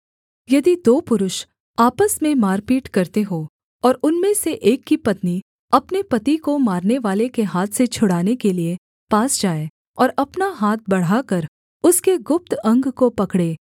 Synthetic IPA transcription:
jɐd̪id̪oːpʊɾʊʃ | aːpəsmẽmaːɾpiːʈkɐɾt̪eɦoː | ɔːɾʊnmẽseʔeːkːipɐt̪ni | ɐpnepɐt̪ikomaːɾneʋaːlekeɦaːt̪ʰset͡ʃʰʊɽaːnekelie | paːsd͡ʒaːe | ɔːɾɐpnaɦaːt̪̚bɐɽ̤akɐɾ | ʊskeɡʊp̚t̪ɐ̃ŋɡkopɐkɽeː

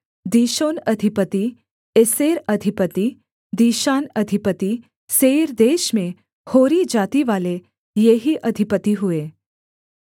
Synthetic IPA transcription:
d̪iːʃoːnɐd̪ʱipət̪i | eseːɾəd̪ʱipət̪i | d̪iːʃaːnɐd̪ʱipət̪i | seːɾd̪eːʃmẽ | hoːɾid͡ʒaːt̪iʋaːle | jeɦiʔɐd̪ʱipət̪iɦueː

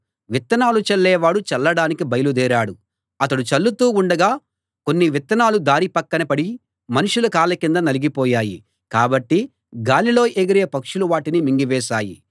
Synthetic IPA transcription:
ʋit̪ːɐnaːlut͡ʃɐlːɛːʋaːɽut͡ʃɛlːɐɽaːnikibɐjɐlud̪ɛːɾaːɽu | ɐt̪ɐɽut͡ʃɐlːut̪uːuɳɖɐɡaː | ko̞nːiʋit̪ːɐnaːlud̪aːɾipɐkːɐnɐpɐɽi | mɐnuʂulɐkaːlɐkind̪ɐnɐliɡipɔːjaːji | kaːbɐʈːi | ɡaːliloːjeɡɐɾeːpɐkʂuluʋaːʈinimiŋɡiʋɛːsaːji

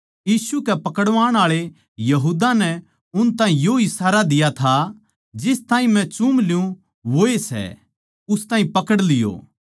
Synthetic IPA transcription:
jiːsukɛpɐkəɽʋaːɽ̃aːɭe | jɐɦuːd̪anɛ | ʊnt̪ãːĩjoɪsaːɾad̪ɪjat̪ʰa | d͡ʒɪst̪aːĩmɛ̃t͡ʃumlɪjũ | ʋoːesɛ̰ | ʊst̪ãːɦĩpɐkəɽlɪjo̰ː

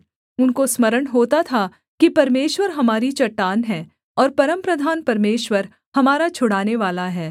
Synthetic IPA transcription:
ʊnkosmɐɾəɽ̃ɦoːt̪at̪ʰa | kipɐɾmeːʃwəɾɦɐmaːɾit͡ʃɐʈːaːnɦɛː | ɔːɾpɐɾəmpɾɐd̪ʱaːnpɐɾmeːʃʋəɾ | hɐmaːɾat͡ʃʰʊɽaːneʋaːlaɦɛː

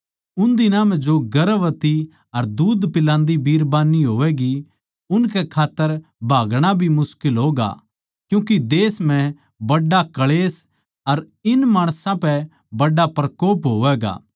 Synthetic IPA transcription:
ʊnd̪ɪnãmɛ̃d͡ʒoɡɐɾʋət̪i | ɐɾd̪uːd̪pɪlãːnd̪ibiːɾbaːnːiɦoːʋɛɡi | ʊnkɛkʰaːt̪ːəɾbʱaːɡɽ̃abʱimʊskɪlɦoːɡa̰ | kjũːkid̪eːsm̤ɛ̃ | bɐɖːakɐɭeːs | ɐɾ | ɪnmaːɽ̃sãpɛ | bɐɖapɾɐkoːpɦoːʋɛːɡa̰ː

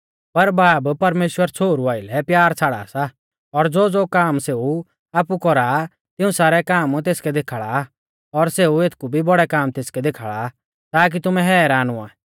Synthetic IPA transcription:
pɐɾbaːbpɐɾmeːʃwəɾt͡sʰoːɾuaːɪlɛpjaːɾt͡sʰaːɽa̰ːsa | ɔɾd͡zoːd͡zoːkaːmseːu | aːpukɔɾa | t̪ɪũsaːɾɛkaːmt̪eːskɛd̪eːkʰaɭa | ɔɾseːueːt̪ʰkubʱibɔɽɛkaːmt̪eːskɛd̪eːkʰaːɭa | t̪aːk̬it̪ʊmɛɦɛːɾaːnua̰ː

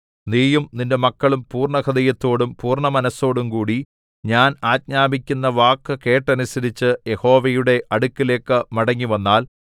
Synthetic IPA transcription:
niːjumninde̞mɐkːɐɭumpuːrɳɐkɐd̪ɐjɐt̪ːo̞ːɽumpuːrɳɐmɐnɐso̞ːɽumkuːɽi | ɲaːnaːt̚ɲaːbikʲːunːɐʋaːkːɨke̞ːʈːɐnusɐɾit͡ɕːɨje̞ho̞ːʋɐjuɽe̞ʔɐɽukːile̞ːkːɨmɐɽɐŋːiʋɐnːaːl

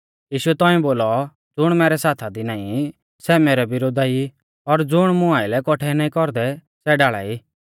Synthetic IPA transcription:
jiːʃuɛt̪ɔ̃ːĩboːlɔ | d͡zʊɽ̃mɛːɾɛsaːt̪ʰad̪inaːĩ | sɛmeːɾɛbɪɾoːd̪ai | ɔɾd͡zʊɽ̃mʊ̃aːɪlɛkɔʈʰɛnaːĩkɔɾd̪ɛ | sɛɖaːɭa̰ːiː

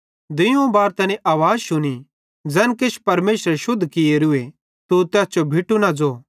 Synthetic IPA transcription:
d̪ɪjõbaːɾt̪ɛːnẽʔaːʋaːd͡zʃʊni | d͡zɛːnket͡ʃʰpɐɾmeːʃɾʃʊd̪ʱːkɪjeɾʊe | t̪ut̪ɛːst͡ʃobʱɪʈunad͡zoː

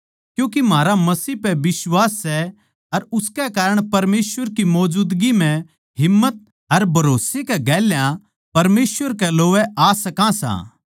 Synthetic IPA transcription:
kjũːkimaːɾamɐsiːɦpɛbɪswaːsːɛ | ɐɾʊskɛkaːɾəɽ̃pɐɾmeːsʋəɾkimɔːd͡ʒuːd̪ɡim̤ɛ̃ | ɦɪmːət̪̚ | ɐɾbʱɐɾoːsekɛɡɛːljã | pɐɾmeːsʋəɾkɛloːʋɛʔaːsɐkãsã̰ː

